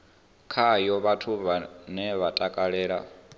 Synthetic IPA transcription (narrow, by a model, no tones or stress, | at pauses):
kʰajɔβatʰuβanɛβatʼakʼaɺɛːɺa̰